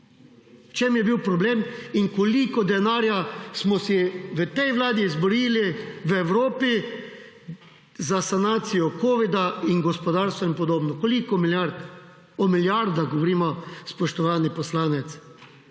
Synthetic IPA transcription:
wt͡ʃemjɛbiwpɾɔbleːminkolikɔd̪ɛnaːɾjasmɔsɛʋət̪ɛjʋlaːd̪izbɔɾiːliʋəɛwɾoːpi | zasanaːt̪sijɔkoːʋid̪ainɡɔspɔd̪aːɾst̪ʋainpɔd̪oːbnɔkolikɔmilaɾt̪ | ɔmiljaɾd̪aɡɔʋoɔɾiːmɔspɔʃt̪ɔʋaːnipɔslaːnɛt̪s

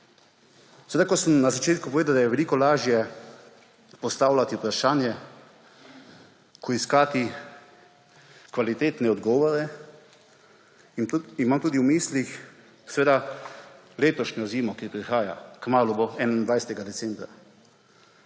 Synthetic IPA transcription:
sɛʋed̪akɔsəmnazat͡ʃeːt̪kupɔʋeːd̪awd̪ajɛʋɛliːkɔlaːʒjɛ | pɔst̪aːwlʲat̪iupɾaʃaːnjɛ | kʰɔiskaːt̪i | kʋalit̪eːt̪nɛɔd̪ɡɔːʋɔɾɛ | imaːmt̪uːd̪iwmiːslix | sɛʋeːd̪a | leːt̪ɔʃɲɔziːmɔkipɾixaːja̰kmaːluboɛnind̪ʋajsɛt̪ɛɡad̪ɛsɛmbɾa

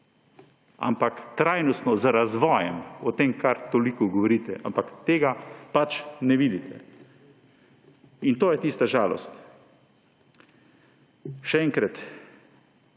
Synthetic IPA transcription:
a̰mpakt̪ɾaːjnɔst̪nɔzɾazʋɔːjɛmɔt̪emkʰaɾt̪olikɔɡɔʋɔɾiːt̪ɛ̰ʔampakt̪eːɡapat͡ʃnɛʋiːd̪it̪ʰɛ̰ | int̪oːjɛt̪ist̪aʒaːlɔ̰st̪ | ʃɛɛŋkɾat̪

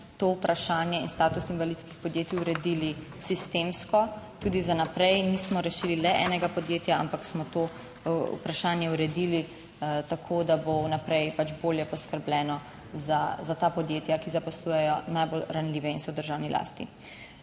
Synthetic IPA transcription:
t̪oupɾʔaʃaːnjɛḭnst̪aːt̪usinʋalit̪skixpɔd̪jeːt̪iuɾɛd̪iːli | sist̪eːmskɔt̪uːd̪izanapɾɛjnismɔɾɛʃiːlilɛʔɛ̰ːnɛɡapɔd̪jeːt̪jaa̰mpaksmɔt̪oː | ṵpɾaʃaːnjɛuɾɛd̪iːli | t̪akʰoːd̪abonapɾɛjpat͡ʃboːljɛpɔskəɾblɛːnɔ | zazat̪aːpɔd̪jeːt̪jakizapɔsluːjɛjɔnajbolɾanliːʋɛinsɔd̪əɾʒawnilʔa̰ːst̪ḭ

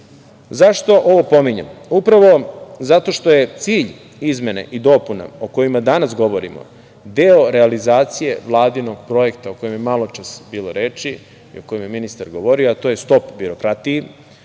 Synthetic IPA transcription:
zaʃt̪o̞ʔoʋo̞po̞miɲemupɾaʋo̞zat̪o̞ʃt̪o̞je̞t̪siːʎ | izme̞nḛʔid̪o̞puna̰oko̞jimad̪anasɡo̞ʋo̞ɾḭmo̰ | d̪eo̞ɾe̞alizaːt̪sije̞̰ʋlˠaːd̪ino̞ɡpɾo̞je̞kt̪aoko̞jimjemalo̞t͡ʃasbiːloɾe̞ːt͡ʃi | ḭoko̞jimjeminist̪aɾɡoʋo̞ɾioat̪o̞ːje̞st̪o̞pbiɾo̞kɾat̪ije

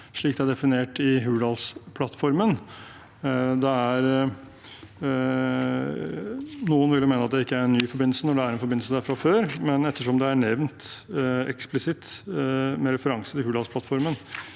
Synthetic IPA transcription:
ʂɭiːk̚d̪ɛæɖ̪ɛfɪneːʈɪɦʉːlɑlspʰlɑt̪ːfɔɾmən | d̪ɛæɾ | nuːənʋɪljmeːnəɑt̪̚d̪ɛɪkːəæɾɛnnːyːfɔɾbɪn̩sənɔɖɛæɾɛnfɔɾbɪnsəd̪æɾfɾɑføːɾmɛnɛt̪ːəʂɔmd̪ɛæɳɛʋnt̪ɛ̰ksplɪsɪt̪ | mɛɾɛfəɾɑŋsət̪ɪlhʉːd̪ɑlspʰlɑt̪fɔɾmən

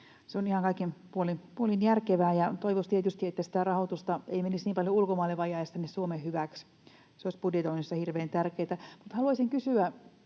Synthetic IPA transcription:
seonihɑŋkɑikːenpuolinpuolinjærkeʋæːjɑt̪oiʋost̪iet̪yst̪iet̪ːæsi̥t̪ærɑhot̪ust̪ɑeimenisniːmpɑljoulkomɑːlːeʋɑjɑˑjɑst̪ænːessuomehhyʋæks | seoisʲpudjet̪oinisːɑhirʋeːnt̪ærkeːt̪æmut̪hɑluɑsiŋkysyæ

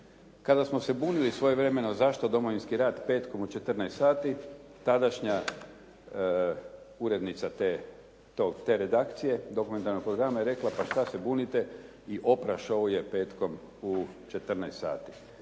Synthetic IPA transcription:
kad̪asmo̞se̞buːnilisʋo̞jeʋɾe̞me̞nozaʃt̪od̪o̞moʋinskiɾaːd̪pe̞ːt̪ko̞mut͡ʃe̞t̪rnɛest̪saːt̪it̪ad̪aʃɲa | uɾe̞d̪nit̪sat̪e | t̪oɡt̪eɾe̞d̪akt̪sije̞d̪o̞kume̞nt̪aɾnoɡ̚pɾo̞ɡɾamajeɾe̞klapaʃt̪ase̞buːnit̪e̞ | iʔo̞pɾaʃooje̞pe̞ːt̪ko̞m | ut͡ʃet̪r̩nɛest̪sa̰ːt̪i̥

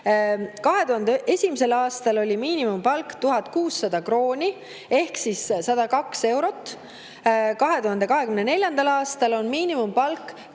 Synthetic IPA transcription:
kɑɦe̞t̪uhɑnd̪eʔesʲimise̞lɑːst̪ɑlo̞lʲimiːnimumpɑlkt̪uɦɑt̪kuːsːɑd̪ɑkro̞ːnʲi | e̞hksissɑd̪̥ɑkɑkse̞wɾo̞t̪ˑː | kɑɦe̞t̪uɦɑnd̪e̞kɑɦe̞kymnene̞lʲjɑnd̪̥ɑlɑːst̪ɑlo̞nmiːnimumpɑlkː

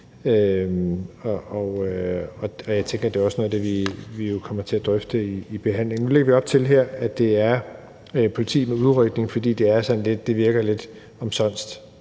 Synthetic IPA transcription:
ømɒɒɒ̽ɒ̽jɑ̈ɪt͡sʰeŋɡ̥ɐd̥e̝ɒ̽snɔ̽ðˠd̥e̝ʋiʋijo̝kʰɒ̽m̰ɐt͡sʰe̝æd̥ʁœfd̥əiːb̥e̝ɦæn̰le̝ŋnule̝ɡɐʋiɒ̽b̥̚t͡sʰe̝lɦeɐ̰æd̥e̝æɐ | pʰo̝lit͡sʰḭːmeuðˠʁœɡ̥ne̝ŋfɒ̽d̥ḭːd̥e̝æɐsɒ̽nle̝d̥ːe̝ʋiɐɡ̥ɐle̝d̥ | ɒ̽msɒ̽n̰sd̥

